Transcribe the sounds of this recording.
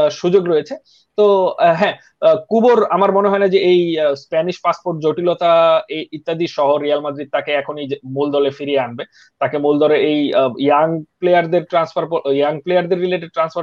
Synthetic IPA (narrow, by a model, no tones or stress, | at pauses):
ʃud͡ʑoɡɾojet͡ɕʰe | t̪oɦɛ̃ | kuboɾamaɾmoneɦɔenad͡ʑeejspɛniʃpaspoɾʈ̚d͡ʑoʈilot̪aeit̪ːad̪iʃɔɦoɾialmad̪ɾid̪̚t̪akeɛkʰonimuld̪ɔlefiɾieanbe | t̪akemuld̪ɔleejjaŋplejaɾd̪eɾʈɾansfaɾpjaŋplejaɾd̪eɾːileʈeɖ̚ʈɾansfaɾ